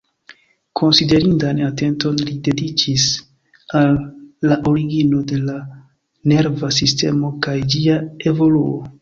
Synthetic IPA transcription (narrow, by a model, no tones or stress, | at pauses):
kʰo̞nside̞ɾindanate̞nto̞nlide̞dit͡ʃis | alːaʔo̞ɾiɡino̞de̞la | ne̞ɾvas̬iste̞mo̞kajd͡ʒiae̞vo̞luo̰